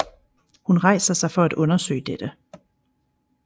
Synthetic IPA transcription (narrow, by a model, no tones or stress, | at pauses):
hunʁɑ̈ɪsɐsɑ̈ɪfɒ̽æd̥ɔ̽nɐsø̰ɪd̥ed̥ə